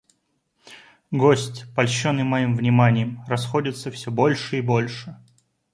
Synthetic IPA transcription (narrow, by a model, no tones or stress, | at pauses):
ɡo̞sʲtʲpɐlʲɕːonːɨjmɐjimvnʲɪmanʲɪjəmrɐsxo̞dʲɪt̪səfsʲobo̞lʲʂɨibo̞lʲʂɨ